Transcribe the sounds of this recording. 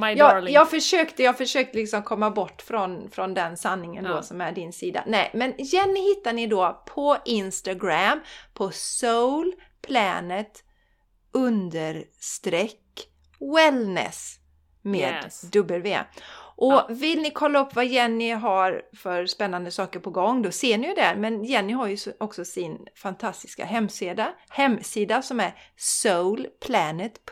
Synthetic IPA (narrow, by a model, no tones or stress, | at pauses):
jɑːjɑːɡfœʂøːkt̪əjɑːɡfœʂøːk̚t̪əlɪksɔmkʰɔmːabɔʈːfɾɔnfɾɔnd̪ɛnsanːɪŋənd̪ɔsɔmæɖɪnsiːd̪a̰nɛɪmɛnjɛnːɪhɪt̪ːaɳɪd̪oːpʰɔʔɪnst̪aɡɾampʰɔsowl | pʰlɛ̰ːnət̪ | ʔɵnd̪əɾst̪ɾɛkː | wɛlnɛ̰s | meːd̪d̪ɵbəlvḛːʔɔvɪlnɪkʰɔlːaɵpːvajɛnːɪɦaɾfœɾspɛnːand̪əsɑːkəɾpɔɡɔŋːd̪ɔseːɳɪjɵd̪ɛɾmɛnjɛnːɪɦaɾjɵɔksɔsɪnfant̪ʰast̪ɪ̥ska̰ɦɛmːsd̪hɛmːsiːd̪asɔmæɾsoʊlpʰlɛːnət̪pʰ